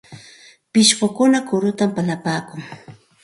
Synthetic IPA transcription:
pɪʃɢʊkʊnakʊɾʊt̪ampalapaːkʊŋ

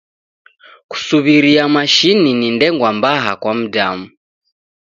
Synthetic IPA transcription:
ku̥suβiɾiamaʃininindɛŋɡwambaɦa̰kwam̩damu

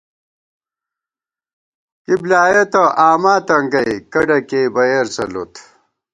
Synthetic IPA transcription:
kiblaːjet̪ɐʔaːmaːt̪ɐŋɡɐjkɐɖɐkeːbɐjɐɾsɐlo̰t̪ʰ

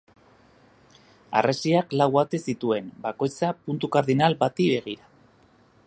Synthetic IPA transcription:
a̰rasiaklawat̪e̞sit̪ue̞nbako̞jt͡sapunt̪ukaɾðinalbat̪iβe̞ɣ̞iɾa

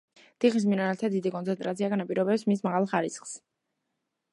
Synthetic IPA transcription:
d̪̥iχis̬minanalt̪ʰad̪id̪ikʼɔnsɛnt̪ʼɾat̪siaɡanapʼiɾɔbɛpsmismaʁalˠχaɾisχs

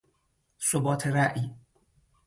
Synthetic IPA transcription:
sobɒːt̪ʰeɾæʔi

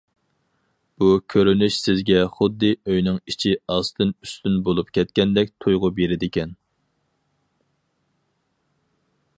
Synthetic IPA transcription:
b̥ukʲʰøɾynyʃsɪzɡʲɛχʊd̪ːɨøjnɪŋit͡ʃʰiɑst̪ʰɨnyst̪ynbolˠupkʲʰɛt̪̚kʲɛnd̪ɛk̚ʲt̪ʰujʁʊbeɾɪd̪ɪkʲɛn

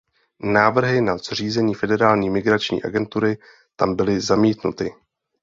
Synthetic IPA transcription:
naːvr̩ɦɪnaz̥r̝iːzɛɲiːfɛdɛɾaːlɲiːmɪɡɾat͡ʃɲḭːʔa̰ɡɛnt̪uɾɪ | t̪ambɪlɪzamiːt̪nut̪ɪ

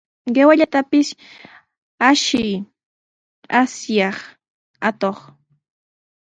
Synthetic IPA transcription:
ɢewaʎat̪apɪs | aʃɪj | asjɑχ | at̪oχ

